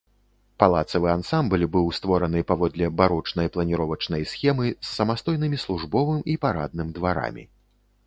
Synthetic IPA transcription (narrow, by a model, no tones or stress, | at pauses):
palˠat̪sɐvɨansamblʲbɨwst̪vɔɾɐnɨpavɔd̪lʲɛbaɾɔt͡ʂnɐjplˠɐnʲiɾɔvɐt͡ʂnɐjsʲxʲɛmɨsːɐmast̪ɔjnɨmʲislˠuʐbɔvɨmipaɾa̰d̪̚nɨmʲd̪vaɾa̰mʲḭ